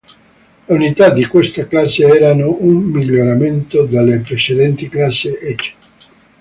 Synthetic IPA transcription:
unit̪ad̪ikwest̪aklaseɛɾanoummiʎːoɾament̪od̪alːepɾet͡ʃed̪ɛnt̪iklasːeet͡ʃe̥

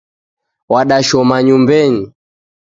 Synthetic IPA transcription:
waɗaʃɔmaɲumbɛɲi

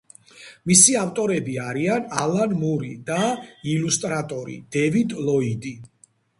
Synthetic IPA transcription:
misiaft̪ʼɔɾɛbiaɾianalanmuɾḭd̪ailust̪ʼɾat̪ʼɔɾḭd̪̥ɛvid̪lɔid̪i

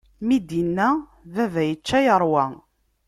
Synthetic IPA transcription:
mid̪inːæ | vævæjət͡ʃːæjəɾˤwæ

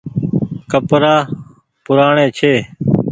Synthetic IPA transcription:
kəpɾaː | pʊɾaːɳeːt͡ʃʰeː

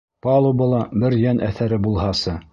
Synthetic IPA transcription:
pɑlˠubɤ̆lˠɑbɘɾjænʔæθæɾɘbulˠhɑsɤ

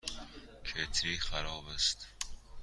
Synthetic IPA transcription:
kʰet̪ʰɾiːxæɾɒːbest̪

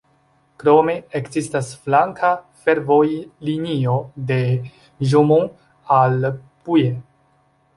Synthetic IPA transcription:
kɾome̞ːkzistasflaŋkʰa | fe̞ɾvojlinio̞de̞ | ʒomo | alpuje

